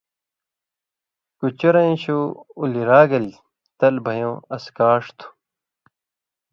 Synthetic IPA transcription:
kut͡ɕɐɾɐj̃ɕuuliɾaːɡɐli | t̪ɐlbʱɐjõːɐskaːʂt̪ʰu̥

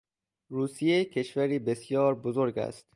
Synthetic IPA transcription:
ruːsijecʰe̞ʃvæɾiːbe̞sjɒːɾbozoɾɡæ̰st̪

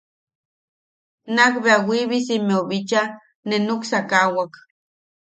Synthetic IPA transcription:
nakbeawiβisimeoβit͡ʃa | nenuksakawak

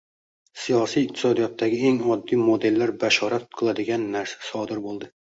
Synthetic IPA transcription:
sijɒsijːq̚t̪ʰɪ̥sɒd̪ijɒt̪ʰːaɡʲɪeŋɒd̪ːimod̪e̞lːaɾbaʃɒɾat̪qʰɨlˠad̪ɪɡʲanːaɾsḁsɒd̪ɪɾbolˠd̪ɪ

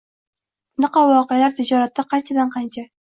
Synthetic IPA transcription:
nɨqɑvɒːqejalaɾt̪ʰɪd͡ʒɒɾat̪ːɪqʰɑnt͡ʃʰad̪anqʰɑnt͡ʃʰa

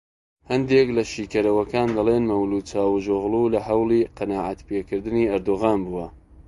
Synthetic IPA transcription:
hɐnd̪eklɐʃiːkɐɾɐwɐkaːnd̪ɐleːnmɐwluːt͡ʃaːwuʒoɣlulɐɦɐwlˠiqɑnaːʕat̪pekɨɾd̪ɨniːɐɾd̪oɣaːnbuwɐ

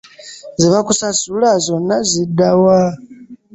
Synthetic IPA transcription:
ziβakusasulazo̞nːazidawa

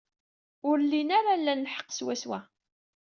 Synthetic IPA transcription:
ʊɾlːinaɾalːænːħə̥qːswæswæ

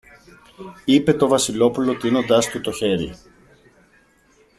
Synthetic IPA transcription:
ipe̞t̪o̞vɐsilo̞pulo̞t̪ino̞nd̪ɐst̪ut̪o̞çe̞ɾḭ

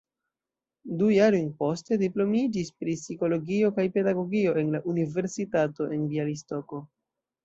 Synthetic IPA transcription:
dujaɾojnpo̞ste̞diplo̞mid͡ʒispɾisiko̞lo̞ɡio̞kajpe̞daɡo̞ɡio̞e̞nlaʔunive̞ɾsitato̞ʔe̞nbialisto̞ko̞

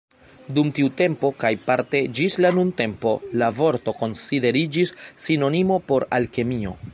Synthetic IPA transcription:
dumtiute̞mpo̞kajpaɾte̞d͡ʒislanunte̞mpo̞lavo̞ɾto̞ko̞nside̞ɾid͡ʒisːino̞nimo̞po̞ɾa̰lke̞mio̞̰

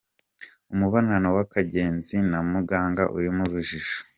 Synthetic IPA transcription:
umuβananowakaɟe̞ːnzinamuɡaːŋɡa̰ʔṵɾimuɾuʒiʃo̥

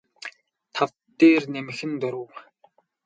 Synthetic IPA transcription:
t̪ʰawt̪ːeːrnemɘ̆xɘ̆nt̪ɔɾʊ̆w

